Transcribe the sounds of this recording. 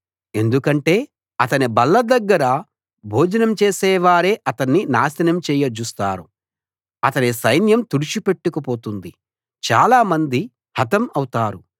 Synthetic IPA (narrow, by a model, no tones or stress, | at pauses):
e̞nd̪ukɐɳʈe̞ː | ɐt̪ɐnibɐlːɐd̪ɐɡːɐɾɐ | bʱoːd͡ʒɐnɐmt͡ʃeːsɛːʋaːɾe̞ːʔɐt̪ɐnːinaːsɐnɐmt͡ʃɛːjɐd͡ʒust̪aːɾu | ɐt̪ɐnisɐjnjɐmt̪uɽit͡ʃipe̞ʈːukɐpo̞ːt̪und̪i | t͡ʃa̰ːlaːmɐnd̪i | hɐt̪ɐmɐwt̪aːɾu